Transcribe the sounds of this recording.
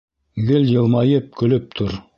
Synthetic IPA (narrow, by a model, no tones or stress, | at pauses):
ɡɘljɤ̆lˠmɑjɤp̚kɵ̆lɵp̚t̪ʰoɾ